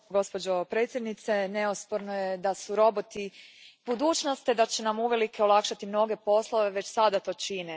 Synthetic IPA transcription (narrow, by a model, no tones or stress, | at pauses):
ɡo̞spod͡ʑo̞pɾe̞ːt̪sʲje̞d̪nit̪se̞ne̞ospoɾnojed̪asuɾo̞bot̪ib̥ud̪uːt͡ʃnost̪ed̪at͡ɕenamuʋe̞likʰe̞olˠakʃat̪imno̞ɡe̞po̞slˠo̞ʋe̞ʋe̞t͡ɕsad̪at̪o̞ːt͡ʃine